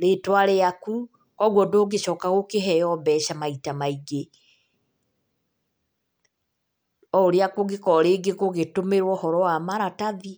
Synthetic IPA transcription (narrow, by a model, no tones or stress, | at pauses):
ɾetwaɾeaku | kɔɣwɔdoɡeʃɔːkaɣokeɦɛjɔbɛʃamaitamaiɡe | ɔoɾeakoɡekɔɾeːɡekoɣetomeɾwɔhɔɾɔwamaɾataði